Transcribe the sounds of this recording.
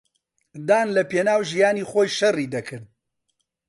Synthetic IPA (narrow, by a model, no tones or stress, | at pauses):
d̪aːnlɐpeːnaːwʒijaːniːχoːjʃɐriːd̪ɐkʰɨɾd̪̚